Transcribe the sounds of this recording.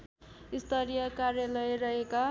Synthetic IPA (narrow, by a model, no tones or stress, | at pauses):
ist̪ʰʌɾijʌkarjalʌjrʌɦeka